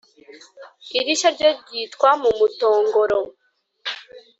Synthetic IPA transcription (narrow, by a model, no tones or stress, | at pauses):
iɾiʃaɾɟoɾɟiːtkwamumuto̞ːŋɡoɾo